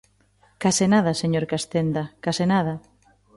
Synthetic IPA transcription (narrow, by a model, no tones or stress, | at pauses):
kasɪnaðɐseɲoɾkast̪end̪ɐkasenaðɐ